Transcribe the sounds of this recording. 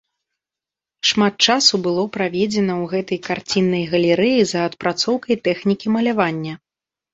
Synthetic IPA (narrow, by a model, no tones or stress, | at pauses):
ʂmat̪̚t͡ʂasubɨlˠɔpɾavʲɛd͡zʲɛnɐwɣɛt̪ɐjkart͡sʲinːɐjɣɐlʲɛɾɛjizɐːt̪̚pɾat̪sɔwkɐjt̪ɛxnʲikʲimɐlʲavanʲːɐ